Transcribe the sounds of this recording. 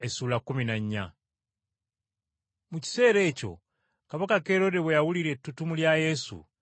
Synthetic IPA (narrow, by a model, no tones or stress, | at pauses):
e̞suːlakːuminaɲːa̰ | muci̥se̞ːɾe̞ːco̞̰ | kaβakake̞ːɾo̞de̞we̞jawuliɾe̞tːutumuljaje̞sṵ